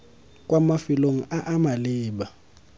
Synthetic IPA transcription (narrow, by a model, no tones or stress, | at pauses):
kʼwamafiloŋ̩ʔaʔamaliːɓa